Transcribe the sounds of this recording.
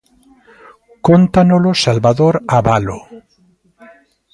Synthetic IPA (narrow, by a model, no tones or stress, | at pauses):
kont̪anolosalβaðoɾaβalo̰